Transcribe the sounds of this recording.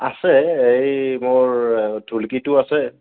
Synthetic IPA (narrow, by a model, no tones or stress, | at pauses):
asɛejmoɹdʱulkitʊasɛ